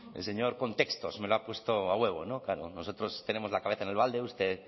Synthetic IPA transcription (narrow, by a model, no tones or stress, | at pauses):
ḛlseɲo̞ɾko̞nt̪e̞kst̪osme̞loapwe̞st̪oawe̞β̞onokaɾo̰no̞sot̪ɾo̞st̪ene̞mo̞zlakaβeθaene̞lβald̪eust̪e